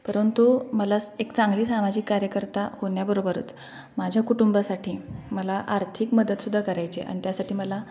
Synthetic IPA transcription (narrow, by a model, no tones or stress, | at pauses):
pəɾənt̪uməlasekt͡saŋɡliːsamad͡ʑiːkːaɾjəkəɾt̪ahoɳjabəɾobəɾṵːt͡s | mad͡ʑʱjakuʈumbasaʈʰiːməlaʔaɾt̪ʰikməd̪ət̪sud̪ʱːakəɾajt͡ɕḛʔa̰ɽ̃nit̪jasaʈʰiːməla